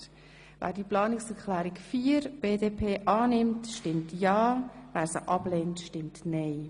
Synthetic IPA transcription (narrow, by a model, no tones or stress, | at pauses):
væ̰ːɾdiːplɑːnɪksɛɾklæːɾikfiːəɾb̥eːdeːpʰeːʔɑːnɪmtʃtɪmtjɑːvæːɾsə̰ʔɑbleːntʃtɪmtnɛɪ